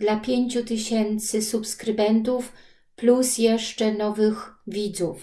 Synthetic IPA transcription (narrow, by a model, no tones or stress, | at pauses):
d̪lapʲjeɲt͡ɕut̪ɘɕɛnt̪sɘsupskɾɘbɛnt̪̬uf | plusjɛʂt͡ʂɛnɔvɘxvʲid̪zuf